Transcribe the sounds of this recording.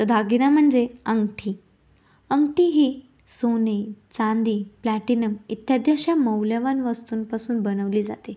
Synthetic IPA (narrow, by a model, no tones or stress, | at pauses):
t̪əd̪ʱaɡinam̤əɳd͡zeəŋɡʈʰiː | əŋɡʈiːɦiː | sonet͡sãnd̪iːplæʈinəmit̪jad̪jaɕjaməwljəʋanʋəst̪uːnpasuːnbənəʋliːd͡za̰t̪e